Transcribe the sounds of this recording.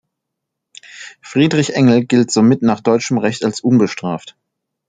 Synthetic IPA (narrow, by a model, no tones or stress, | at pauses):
fʁ̥iːdʁɪçʔɛŋl̩ɡɪltz̥oːmɪtnaːχd̥ɔʏt͡ʃəmʁɛçtalsʔʊnbəʃtʁ̥aːft